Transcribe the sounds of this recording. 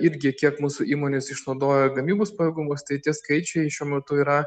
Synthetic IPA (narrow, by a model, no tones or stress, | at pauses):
ɪɾʲɡʲɪkʲiɛkmuːsʊʔiːmoːnʲɪsɪʃnɒʊd̪oːjɛɡɐmʲiːboːspɐɛːɡʊmʊst̪ɐɪt̪ʲiɛskɐɪt͡ʃʲɛɪʃʲuɔmʲɛt̪ʊiːɾɐ